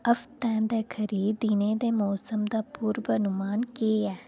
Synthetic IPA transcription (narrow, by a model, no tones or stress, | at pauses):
əft̪ɛ̃ːd̪eːkʰəɾiːd̪iːnẽːd̪eːmɔːsəmd̪aːpuːɾbəɐnʊmaːnkeːɛː